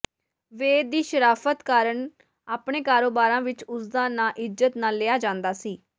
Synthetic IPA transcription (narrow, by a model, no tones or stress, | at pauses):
ʋeːd̪iːʃəɾaːfʰət̪kaːɾəɳ | aːpɳeːkaːɾoːbaːɾãːʋɪt͡ʃʊsd̪ãːnãːʔɪzət̪naːlːeːaːd͡ʒãːnd̪aːsiː